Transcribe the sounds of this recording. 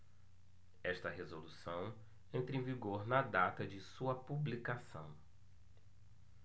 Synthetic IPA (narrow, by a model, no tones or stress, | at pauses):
ɛʃt̪ɐɦezolusɐ̃w̃ | ẽnt̪ɾẽviɡoɾnɐd̪at̪ɐd͡ʒɪsuɐpublikasɐ̰̃w̃